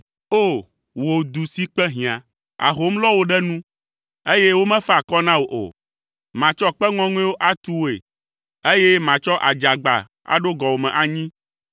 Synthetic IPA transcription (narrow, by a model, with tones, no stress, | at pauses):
o˦˨ | wo˨d̪u˨si˦k͡pɛ˦ɦĩ˨ã˨ | a̰˨ɦo˦mlɔ˦wo˨ɖɛ˦nũ˦ | e˦je˦wo˦mɛ̃˦fɛ˦a˨kɔ˦nã˦wo˨ʔo̰˨ | mã˨t͡ʃɔ˦k͡pɛ˦ŋɔ̃˦ŋũ˦ɛ̃˦wo˦ʔa˦t̪u˦wo˦ḛ˨ | e˦je˦mã˨t͡ʃɔ˦ʔa̰˨d͡ʒa˨ɡ͡ba̰˨ | a̰˨ɖo˦ɡɔ˨wo˨mɛ̃˨ʔa˨ɲĩ˦